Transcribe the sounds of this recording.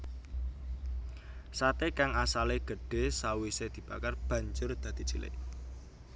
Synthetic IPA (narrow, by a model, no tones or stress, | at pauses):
sat̪ekaŋasaleɡ̥əɖ̥e̤sawised̪̥i̤b̥akarb̥ä̤ɲd͡ʒʊrd̪̥ä̤d̪̥i̤t͡ʃilɪ̰ʔ